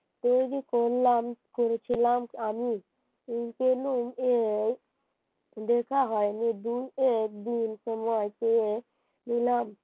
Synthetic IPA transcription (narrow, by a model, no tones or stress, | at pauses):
t̪od̪ikollamkoɾt͡ʃʰilamkami | inkelume | d̪ekʰaɦɔjnid̪ujek̚d̪insəmajteje | nilam